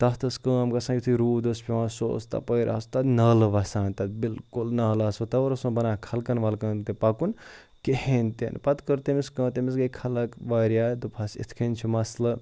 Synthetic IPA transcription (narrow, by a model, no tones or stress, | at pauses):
t̪ɐst̪ɐskɐ̃ːmkɐsãjit̪ʰuɾuːd̪ɐspʰʲiʋãːso̰ːst̪ɐ̰pəjɾʔa̰ːst̪ɐnɐːlʋɐsãːnt̪ɐt̪bilkulnɐːlaːsot̪ɐɐɾɐsũːbɐnaːkʰɐlkɐnʋɐlkɐ̃ːnt̪epakun | kehent̪ḛnpɐt̪kəɾt̪emiskɐ̃ːt̪emis̬ɡɐkʰɐlɐkʋaːɾjaːd̪upʰɐsḭt̪ʰkʰinʲt͡ʃʰimɐslɐ